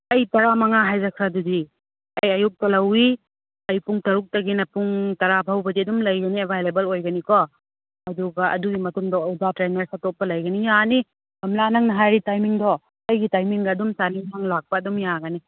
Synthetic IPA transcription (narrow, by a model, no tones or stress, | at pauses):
ɐjtɐɾamɐŋaɦajzakʰɾadudi | ɐjɐjuk̚tɐlɐwi | ɐjpuŋtɐɾuk̚tɐɡinɐpuŋtɐɾapʰawbɐdiɐdumlɐjɡɐniebʱajlebɐlojɡɐnikɔ | ɐduɡɐʔɐ̰duɡimɐtuŋdɐudatɾeneɾsatop̚pɐlɐjɡɐnijani | bɐmlanɐŋnɐɦajɾitajmiŋdɔ | ɐjɡitajmiŋɡɐːdumsanisaŋlak̚pɐːdumjaɡɐni